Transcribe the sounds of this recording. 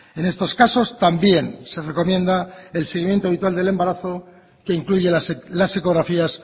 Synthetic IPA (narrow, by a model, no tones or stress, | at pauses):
e̞ne̞st̪o̞skaso̞st̪ambje̞nse̞reko̞mjẽ̞nd̪ae̞lse̞ɣimje̞nt̪oaβit̪wald̪e̞le̞mbaɾaθo̞ | ke̞iŋkluʝe̞slaseko̞ɣ̞ɾafias